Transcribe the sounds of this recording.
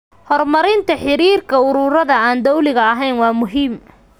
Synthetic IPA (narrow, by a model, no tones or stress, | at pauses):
hɔrmɐɾɪnt̪ʰɐħɪɾiːrkʰɐʊɾuːɾɐðɐaːnd̪ɔwlɪɣɐɐɦɛjnwɑːmʊɦiːm